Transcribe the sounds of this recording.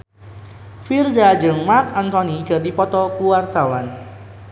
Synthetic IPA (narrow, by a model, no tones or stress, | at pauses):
fird͡ʒad͡ʒəŋmak̚ɔnt̪ɔniɡ̥ə̤rdipɔt̪ɔkuwart̪awan